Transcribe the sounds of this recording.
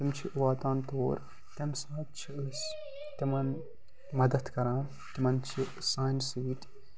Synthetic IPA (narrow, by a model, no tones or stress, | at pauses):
t̪imt͡ʃʰiʔʋaːt̪ãːnt̪oːɾ | t̪emsaːt̪̚t͡ʃʰiɨs | t̪imɐn | mɐd̪ɐd̪kɐɾãː | t̪imɐnt͡ʃʰi | saːnsiːʈ